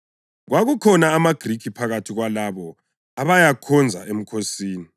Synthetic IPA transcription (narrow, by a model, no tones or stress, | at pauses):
ɣwaɣukʰɔnaːmaɡ̥rikʰipʰaɣatʰiɣwalaβɔ | aβajakʰɔnd͡zʱa̰ʔem̩kʰosiːni